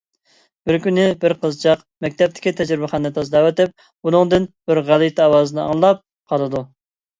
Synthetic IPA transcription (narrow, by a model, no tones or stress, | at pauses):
b̥ɪɾkʲynɪbɪɾqʰəzt͡ʃʰɑq | mɛk̚ʲt̪ʰɛp̚t̪ʰɪ̥kʲit̪ʰɛd͡ʒɾɪbɪχɑnːɨt̪ʰɑzd̪ɑwɛt̪ɪp̚ | unʊŋd̪ɨnb̥ɪɾʁælˠɨt̪ʰɑwɑːzɨnɨɑ̰ŋlˠɑp̚ | qʰɑlˠɨd̪u